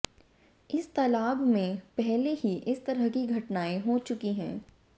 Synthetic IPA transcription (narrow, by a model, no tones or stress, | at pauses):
ɪst̪ɐlaːbmẽpɛɦlehiʔɪst̪ɐɾəɦkiɡʱɐʈnaːẽɦoːt͡ʃʊkiɦɛ̰̃ː